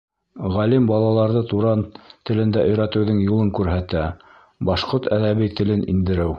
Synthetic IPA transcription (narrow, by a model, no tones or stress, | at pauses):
ʁɑlimbɑlˠɑlˠɑɾðɤt̪uɾɑnt̪ɘ̆lɘ̆nd̪æʔɵ̆jɾæt̪ɘ̆wðɘŋjulˠɤŋkʉɾɦæt̪æ | bɑʃqoɾt̪æðæβijt̪ɘ̆lɘnʔḭnd̪ɘ̆ɾɘw